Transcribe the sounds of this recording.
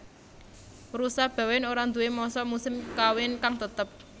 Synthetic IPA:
rusahb̥a̤wɪnoɾand̪uwemɔsɔmusɪmkawɪnkaŋt̪ət̪əp̚

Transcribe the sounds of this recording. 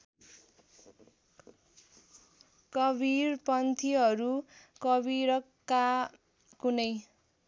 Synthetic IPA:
kʌbirpʌnt̪ʰiɦʌɾukʌbiɾʌkː | a | kunʌj

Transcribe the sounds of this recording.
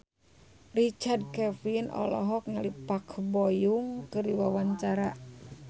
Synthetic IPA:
rit͡ʃard̚kɛfinʔɔ̰lɔ̰ɦɔk̚ŋalipakʰbɔjuŋkɨrdiwawaɲt͡ʃaɾa

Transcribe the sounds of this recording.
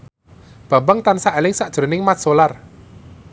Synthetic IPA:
b̥ä̤mbəŋt̪ansaʔelɪŋsaʔd̥ʒ̥ɾo̤nɪŋmat̪̚solar

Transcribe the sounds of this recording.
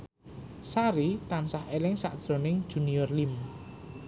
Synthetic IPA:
saɾit̪ansahelɪŋsa̰ʔd̥ʒ̥ɾo̤nɪŋd̥ʒ̥ṳniɔrlim

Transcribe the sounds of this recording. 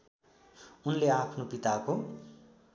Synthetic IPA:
unleapʰnopit̪ako

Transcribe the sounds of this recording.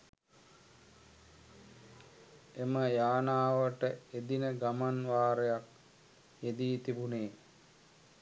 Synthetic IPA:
eməjaːnaːʋəʈəed̪inəɡamanʋaːɾejak̚ | ed̪iːt̪ibuneː

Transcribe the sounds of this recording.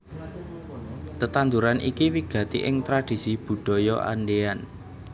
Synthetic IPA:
t̪ət̪ant̪uɾanʔḭkiwiɡ̥ä̤t̪iʔɪŋt̪ɾad̪̥i̤sib̥ṳɖ̪̥ɔ̤jɔʔa̰nɖean

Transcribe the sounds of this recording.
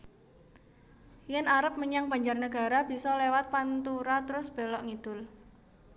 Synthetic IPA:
jɛnaɾəp̚məɲaŋb̥a̤ɲd͡ʒarnəɡ̥a̤ɾab̥i̤sɔlewat̪̚pant̪uɾat̪əɾʊsb̥e̤lɔʔŋid̪̥ʊl

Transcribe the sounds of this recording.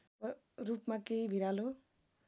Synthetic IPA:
bʌ | rupmakeibʱiɾalo

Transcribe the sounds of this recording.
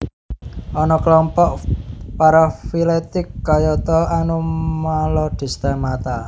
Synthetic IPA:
ʔɔnɔklɔmpɔʔpaɾafilet̪ɪkːajɔt̪ɔanumalɔd̪̥i̤st̪amat̪a

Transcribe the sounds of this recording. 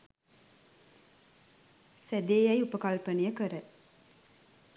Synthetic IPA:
sæd̪eːjajupəkalpənijəkəɾə

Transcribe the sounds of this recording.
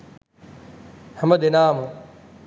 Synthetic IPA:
hɐməd̪ɪnaːm

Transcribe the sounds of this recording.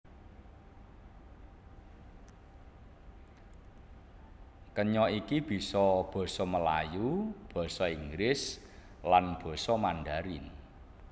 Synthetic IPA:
kəɲɔikib̥i̤sɔb̥ɔ̤sɔməlajub̥ɔ̤sɔiŋɡɾɪs | lanb̥ɔ̤sɔmanɖaɾin

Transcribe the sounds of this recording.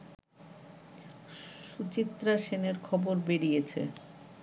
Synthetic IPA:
ʃut͡ɕit̪ːɾaʃeneɾkʰɔboɾbeɽijet͡ɕʰḛ

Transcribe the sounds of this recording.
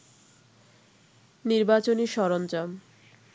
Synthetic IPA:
niɾbat͡ɕoniʃɔɾond͡ʑam

